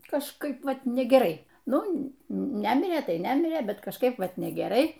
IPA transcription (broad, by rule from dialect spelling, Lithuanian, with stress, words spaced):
kɐʃˈkɐɪp ˈʋɐt nʲɛɡʲɛˈrɐɪ ˈnʊ ˈnʲæmʲɪrʲeː ˈtɐɪ ˈnʲæmʲɪrʲeː ˈbʲɛt kɐʃˈkɐɪp ˈʋɐt nʲɛɡʲɛˈrɐɪ